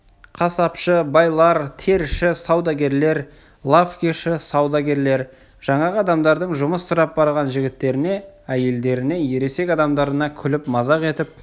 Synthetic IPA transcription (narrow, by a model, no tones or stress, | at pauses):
qʰɑsɑpʃəbɑjlˠɑɾt̪ʰe̞ɾʃɪsɑwd̪ɑɡʲe̞ɾle̞ɾ | lˠafkʲeʃɪsɑwd̪ɑɡʲe̞ɾle̞ɾ | ʒ̥ɑɴɑʁɑd̪ɑmd̪ɑɾd̪əɴʒʊməsːʊɾɑp̚bɑɾʁɑnʒɪɡʲɪt̪ːe̞ɾɪne̞æje̞ld̪e̞ɾɪne̞je̞ɾe̞se̞kʲɑd̪ɑmd̪ɑɾənɑkʲʰʏlɪpmɑzɑʁe̞t̪ɪp̚